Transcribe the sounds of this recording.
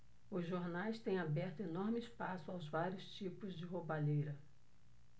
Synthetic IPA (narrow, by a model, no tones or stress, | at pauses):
ʊzʒoɾnajst̪ẽj̃abɛχt̪ʊenɔɾmɪɪspasʊawzvaɾʲiʊst͡ʃipʊzd͡ʒɪɦobaʎejɾɐ